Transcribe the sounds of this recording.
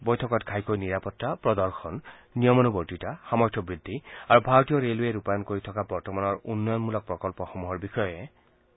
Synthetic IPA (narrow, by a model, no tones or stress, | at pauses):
bɔjtʰɔkɔtkʰajkojniɹapɔtːapɹɔd̪ɔɹxʰɔnːiɔmɔnubɔɹtitaxamɔjtʰɔbɹid̪ʱːiaɹubʱaɹɔt̪ijɔɹelueɾupajɔnkoɹit̪ʰɔkabɔɹt̪ɔmanɔɹunːɔjɔnmulɔk̚pɹɔkɔlpɔxɔmuɦɔɹbixɔjɔje